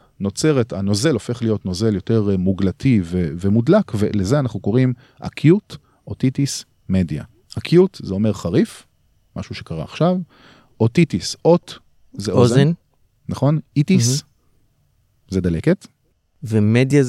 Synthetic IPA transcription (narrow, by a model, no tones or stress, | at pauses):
no̞t͡se̞ʁetano̞ze̞lo̞fe̞χlijo̞tno̞ze̞ljo̞te̞ʁmuɡlatʰiveve̞mudlakvelezeanaχnuko̞ʁim | ʔa̰kʰjut | ʔotitis | me̞dja̰ | akʰjutzeo̞me̞ʁχaʁif | ma̰ʃuʃe̞̥kaʁa̰ːχʃav | ʔotitisʔo̞t | zeʔozn | naχo̞nitis | zed̪aleket | vemedja